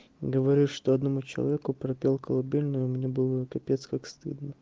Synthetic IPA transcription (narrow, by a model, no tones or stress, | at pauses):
ɡəvɐɾʲiʂt̪oɐd̪nɐmut͡ɕɪlˠɐ̰vʲekʊpɾɐpʲelˠkəlˠɐbʲilʲnʊjʊmnʲebɨlˠəkɐpʲet̪skakst̪ɨ̰d̪nə